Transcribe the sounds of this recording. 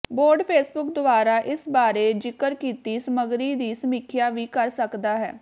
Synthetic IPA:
boːɾɖpʰeːsbʊkd̪ʊaːɾaːʔɪsbaːɾed͡ʒɪkəɾkiːt̪isəməɡɾiːd̪isəmɪkʰjaːʋʱiːkəɾsəkd̪aːɦɛː

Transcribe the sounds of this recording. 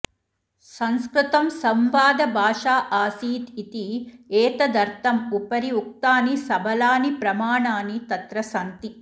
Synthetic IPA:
sɐnskɾut̪ɐmsɐmʋaːd̪ɐbʱaːʂaːʔaːsiːt̪it̪ieːt̪ɐd̪ɐɾt̪ɐmupɐɾiuk̚t̪aːnisɐbʱɐlaːnipɾɐmaːɳaːnit̪ɐt̪ɾɐsɐnt̪i

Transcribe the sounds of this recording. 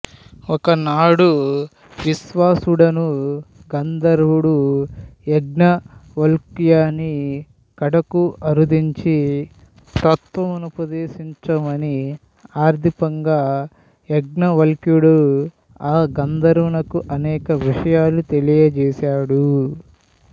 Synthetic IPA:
ɔkɐnaːɽu | ʋisʋaːsuɽɐnuɡɐnd̪ɐɾʋuɽu | ɛɡnɐʋɐlkjaːni | kɐɽɐkuɐɾud̪iɲt͡ʃi | t̪ɐt̪ʋɐmɐnupɐd̪eːsiɲt͡ʃɐmɐni | aːɾt̪ipɐŋɡaː | eɡ̚nɐʋɐlkjuɽu | aːɡɐnd̪ɐɾʋunɐkuʔɐnɛːkɐʋiʂɐjaːlut̪e̞lijɐd͡ʒɛːsaːɽu

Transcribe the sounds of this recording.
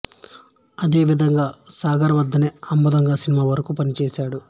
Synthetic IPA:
ɐd̪eːʋid̪ʱɐŋɡaːsaːɡɐɾɐʋɐd̪ːɐneːɐmbɐd̪ɐŋɡaːsinimaːʋɐɾɐkuːpɐnit͡ʃɛːsaːɽu

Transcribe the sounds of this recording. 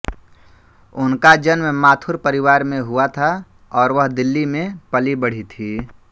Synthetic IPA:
ʊnkad͡ʒənmmaːt̪ʰʊɾpəɾɪʋaːɾmẽɦuat̪ʰa | ɔːɾʋəɦd̪ɪlːimẽpəlibəɽ̤it̪ʰiː

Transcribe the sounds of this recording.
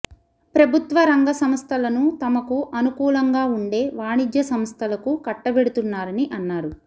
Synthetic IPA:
pɾɐbʱut̪ʋɐɾɐŋɡɐsɐmst̪ʰɐlɐnut̪ɐmɐkuʔɐnukuːlɐŋɡaːuɳɖe̞ːʋaːɳid͡ʒjɐsɐmst̪ʰɐlɐkukɐʈːɐbeɽut̪unːaːɾɐniʔɐnːaːɾu

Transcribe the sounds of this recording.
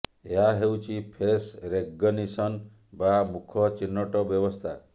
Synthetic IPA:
eɦaɦewt͡ʃʰipʰesɾeɡːɔnisɔn | bamukʰɔt͡ʃinːɔʈɔbjɔbɔst̪ʰa

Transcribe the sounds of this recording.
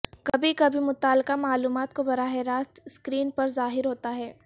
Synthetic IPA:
kɐbʱikɐbʱimʊt̪aːlqamaːluːmaːt̪kobɐɾaːɦɪɾaːst̪skɾiːnpɐɾzaːɦɪɾɦoːt̪aɦɛː

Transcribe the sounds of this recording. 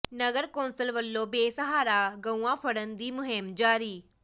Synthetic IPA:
nəɡəɾkõːnsəlʋəlːõːbeːsəɦaːɾaːɡə̃uãːpʰəɽənd̪iːmʊɦɪmd͡ʒaːɾiː

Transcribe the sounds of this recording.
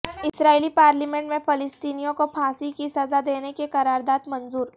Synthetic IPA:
ɪsɾaːilipaːɾlimẽɳʈmẽpʰɐlɪst̪iːnijõkopʰãːsikisɐzad̪eːnekekɐɾaːɾd̪aːd̪mɐ̃nzuːɾ

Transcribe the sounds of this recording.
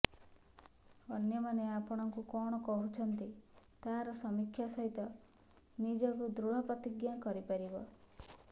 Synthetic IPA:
ɔnjɔmaneapɔɽ̃ɔŋkukɔɽ̃ɔkɔɦut͡ʃʰɔnt̪it̪aɾɔsɔmikʰːjasɔɦit̪ɔ | nid͡ʒɔkud̪ɾuɭ̤ɔpɾɔt̪iɡjakɔɾipaɾibɔ

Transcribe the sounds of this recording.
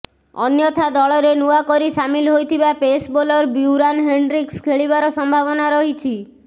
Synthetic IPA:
ɔ̰njɔt̪ʰad̪ɔɭɔɾenuakɔɾisamilɦojt̪ʰibapesbolɔɾbuuɾanɦeɳɖɾikskʰeɭiβaɾɔsɔmbʱaβɔnaɾɔɦit͡ʃʰi

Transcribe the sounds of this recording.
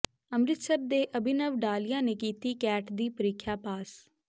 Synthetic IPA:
əmɾɪt̪səb̚d̪eːʔəbɪnəʋɖaːlɪjãːneːkiːt̪iːkɛːʈd̪iːpəɾɪkʰjaːpaːs

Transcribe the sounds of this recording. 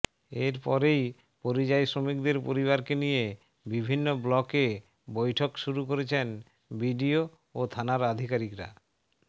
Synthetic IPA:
eɾpɔɾej | poɾid͡ʑajsɾomikd̪eɾpoɾiβaɾkenije | bibʱinːoblɔke | bojʈʰokʃuɾukoɾet͡ɕʰen | bʱiɖio | ot̪ʰanaɾad̪ʱikaɾikɾa̰

